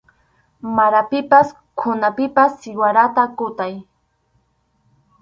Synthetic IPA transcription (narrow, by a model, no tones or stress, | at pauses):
maɾapɪpas | kʰʊnapɪpasːɪwaɾat̪akʊt̪aj